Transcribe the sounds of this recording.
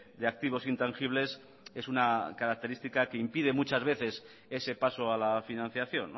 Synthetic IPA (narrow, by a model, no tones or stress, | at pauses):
d̪e̞ak̚t̪iβ̞o̞sint̪aŋxiβ̞le̞s | e̞sunakaɾak̚t̪e̞ɾist̪ikakeimpið̞e̞mut͡ʃazβe̞θe̞s | e̞se̞pasoalafinãn̟θjaθjo̞̰nː